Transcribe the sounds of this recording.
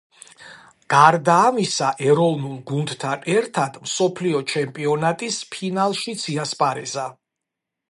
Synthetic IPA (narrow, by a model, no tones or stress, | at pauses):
ɡ̥aɾd̪aːmisaʔɛɾɔvnulˠɡund̪t̪ʰanɛɾt̪ʰad̪̥msɔpʰliɔt͡ʃʰɛmpʼiɔnat̪ʼispʰinalˠʃid̪t̪sʰiaspʼaɾɛza